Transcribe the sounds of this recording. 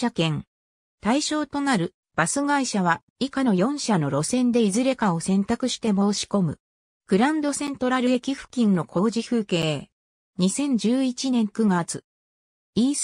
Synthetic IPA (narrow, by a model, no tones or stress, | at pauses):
akẽ̞ŋ | t̪aiɕo̞ːt̪o̞naɾɯ̟ | b̥asɨɡaiɕaβ̞a | ikano̞jõ̞ɰ̃ɕano̞ɾo̞sẽ̞nd̪e̞izɨɾe̞kao̞sẽ̞nt̪akɯ̟ɕi̥t̪e̞mo̞ːɕi̥ko̞mɯ̟̰ | ɡ̥ɯ̟ɾãnd̪o̞sẽ̞nt̪o̞ɾaɾɯ̟e̞kʲiɸɯ̟̥kʲĩnːo̞kʰo̞ːʑiɸɯ̟ːke̞ː | ɲ̟isẽ̞ɲ̟d͡ʑɨːit͡ɕinẽ̞ŋkɯ̟ɡat͡sɨ̥ | iː